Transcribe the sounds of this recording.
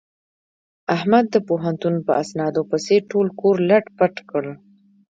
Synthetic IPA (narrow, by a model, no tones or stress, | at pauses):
ahmad̪ːəpoɦant̪unpəasnɑd̪opəseʈolkoɾlaʈpaʈkəɽ